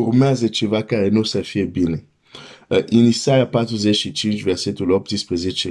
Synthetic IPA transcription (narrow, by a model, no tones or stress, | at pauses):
urmeazət͡ʃevakaɾenusəfijebine | ʔinisajapat̪ɾuzɛt͡ʃʃit͡ʃint͡ʃvɛrsɛt̪ulɔp̚t̪ispɾezet͡ʃe